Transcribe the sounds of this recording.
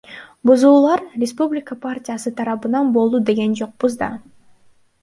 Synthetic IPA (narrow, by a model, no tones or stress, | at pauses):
buzuːlˠɑɾrʲɪspublʲɪkəpʰartʲijasɯt̪ʰɑɾɑβɯnɑnbo̞lˠd̪ud̪e̞ɡe̞nd͡ʒo̞q̚buzd̪ɑ̰